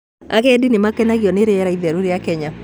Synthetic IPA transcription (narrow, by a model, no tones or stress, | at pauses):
a̰kɛdinemakɛnaɣjɔneɾeɛɾaiðɛɾuɾejakɛɲa